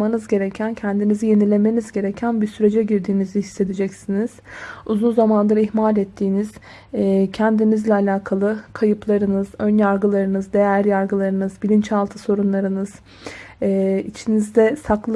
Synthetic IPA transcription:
manɯzɟe̞ɾecʰæncʰænd̪inizije̞nilʲe̞me̞nizɟe̞ɾecʰænbisyɾe̞d͡ʒɛɟiɾd̪iːnizihisːe̞d̪id͡ʒɛcsiniz̥uzunzamand̪ˠaɾihmaːlʲɛt̪ʰːiːniz̥ | cʰænd̪inizlʲɛalʲaːkʰalˠɯkʰajɯplˠaɾɯnɯzønjaɾɡɯlˠaɾɯnɯzd̪e̞jæɾjaɾɡɯlˠaɾɯnɯzbilʲint͡ʃalˠt̪ʰɯso̞ɾunlˠaɾɯnɯz̥ː | it͡ʃʰinizd̪ɛsaklˠ

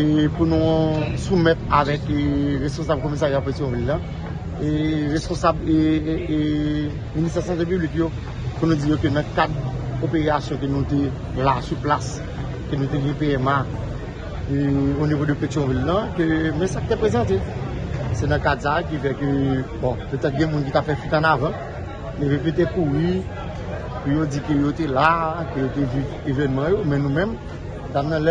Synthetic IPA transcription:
epunũsumɛt̪avɛkʁespɔ̃sab̚komis̬aʁjapetɔ̃vilːɐ̃ | eʁespõsabe | minist̪ɛsɑ̃t̪epyblikjo | punũd͡zijokønɐ̃kad̪opeʁasjɔ̃kønũt̪e | lasyplas | kønũt̪eɡɛ̃peɛma | keonivodøpetɔ̃vilːɐ̃kømɛ̃saki̥t̪epʁezɑ̃t̪e | sɛnɐ̃kadsaːkifɛkøbɔ̃pøt̪ɛt̪̚ɡɛ̃mũnkit̪apfɛfit̪ɐ̃navʌ̃ | levip̬it̪̬ekuʁi | pijod͡zikøjot̪elakøjot̪eviv | evɛnmãjomɛ̃nũmɛ̃m | t̪amnɐ̃lɛ

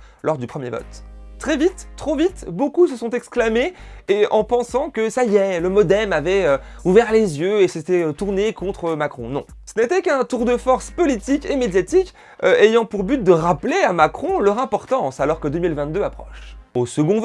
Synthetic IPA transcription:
lɔʁd̪ypχəmjevɔ̰t̪ːχɛvit̪ːχovit̪bokusəsɔ̃t̪ɛksklameːɑ̰̃pɑ̃sɑ̃kəsajɛləmɔd̪ɛmavɛø | uvɛʁlezjøeset̪ɛøt̪uʁnekɔ̃t̪χəmakχɔ̃nɔ̰̃sənet̪ɛkɛ̃t̪uʁd̪əfɔʁspɔlit̪ikemed̪jat̪ik | øejɑ̃puʁbyt̪̚d̪əʁapleamakχɔ̃lœʁɛ̃pɔʁt̪ɑ̃salɔʁkəd̪ømilvɛ̃t̪̚d̪øapχɔ̰ʃosəɡɔ̃v

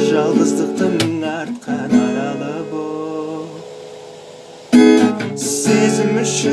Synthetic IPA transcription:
ʒɑlˠd̪əzd̪əq̚t̪əmɪnɑɾt̪̚qʰɑnɑɾɑlˠəbo | sezɪmʏʃɪ

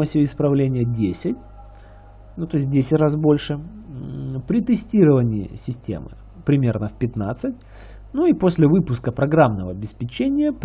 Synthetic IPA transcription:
əsʲʊɪspɾɐvlʲenʲɪjədʲesʲɪtʲ | nut̪o̞ɪs̬ʲt̚ʲdʲesʲɪtʲras̬bo̞lʲʂɨ | pɾʲɪt̪ɨsʲtʲiɾəvənʲɪɪ̰sʲɪsʲtʲḛmɨ̰ | pɾʲɪmʲe̞rnəfpʲɪt̪na̰t̪sɨt̚ʲ | nuiposʲlʲɪvɨpʊskəpɾɐɡɾamnəvəɐbʲɪspʲɪt͡ɕenʲɪjəp

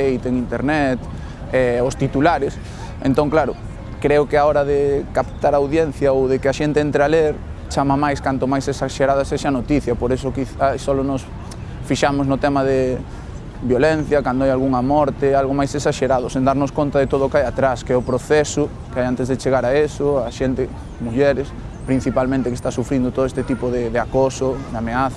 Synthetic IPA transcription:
ejt̪eŋint̪eɾnɛt̪ | ɛost̪it̪ulaɾɪs | ḛ̃nt̪oŋklaɾʊ | kɾɛʊkɪaɔɾɐðɪkapt̪aɾaawðjɛn̟θjaowðekɪaʃent̪ɪent̪ɾealeɾ | t͡ʃamɐmajskant̪ʊmajsesaʃeɾaðɐseʃanot̪iθjɐpoɾesʊkiθasɔlʊnɔs | fiʃamʊznʊt̪ɛmɐðɪ | bjolen̟θjɐkand̪oajalɣuŋɐmɔɾt̪ɪalɣomajsesaʃeɾaðʊsẽnd̪aɾnʊskont̪ɐðet̪oð̞ʊkajat̪ɾaskɛʊpɾoθɛsʊ | keajant̪ezðet͡ʃeɣaɾaesʊaʃent̪ɪ | muʎɛɾɪs | pɾin̟θipalmẽnt̪ɪkest̪asufɾind̪ʊt̪oðoest̪et̪ipʊðɪðeakosʊd̪ameaθ

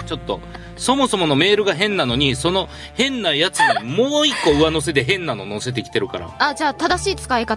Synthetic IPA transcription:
t͡ɕo̞t̪ːo̞̰ | so̞mo̞so̞mo̞no̞me̞ːɾɯ̟ɡaɦẽ̞nːano̞ɲ̟iso̞no̞ | hẽ̞nːajat͡sɨɲimo̞ːikːo̞ɯ̟βano̞s̬e̞d̪e̞ɦẽ̞nːano̞no̞se̞t̪̬e̞kʲi̥t̪e̞ɾɯ̟kaɾa̰ad͡ʑaːt̪ad̪aɕiːt͡sɨ̥kaikat̪a

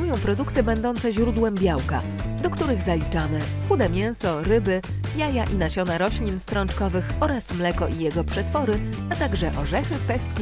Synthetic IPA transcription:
ujɔ̃w̃pɾɔd̪ukt̪ɘbɛnd̪ɔnt̪sɛʑɾud̪wɛmbʲjawka̰ | d̪ɔkt̪uɾɘɣzalʲit͡ʂamɘ | xud̪ɛmʲjɛ̃w̃sɔɾɘbɘ | jajaʔinaɕɔnaɾɔɕlʲinst̪ɾɔnt͡ʂkɔvɘxɔɾasmlɛkɔʔijɛɡɔpʂɛt̪fɔɾɘ | at̪aɡʐɛʔɔʐɛxɘpɛst̪̚kʲi

